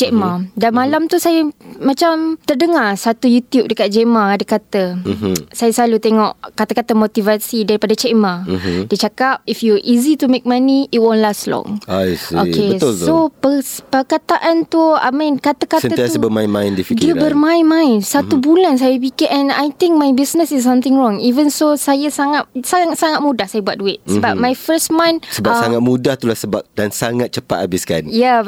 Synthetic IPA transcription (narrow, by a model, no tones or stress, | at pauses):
d͡ʒɛʔmadanmalamt̪usajamat͡ʃamt̪ərdəŋarsat̪ujut̪jup̚dəkat̪̚d͡ʒɛʔmaːdakat̪ə | sajaslalut̪eŋɔʔkat̪akat̪amot̪ivasidaɾipadat͡ʃɛʔmadiət͡ʃakap̚ifjuʔizit̪umek̚mãniit̚wõnlaslɔ̰̃ŋasioket̪sopəpərkat̪aʔant̪ua̰mĩnkat̪akatsəaiasəbəmãjnmãj̃ndifikdiəbərmãjnmãj̃nsat̪ubulans̬ajap̬ikɪʔɛ̃na̰jt̪ɪ̃ŋk̚majbisnəsis̬ãmt̪ɪ̃ŋɹɔ̃ŋivənsosajasaŋat̪̚saŋsaŋat̪̚mũdahsajabuat̪̚duɪʔsəbap̚majfəsmãjnsəbapsaŋat̪̚mũdaht̪ulahsəbap̚dansaŋat̪̚t͡ʃəpa̰t̪abɪska̰nja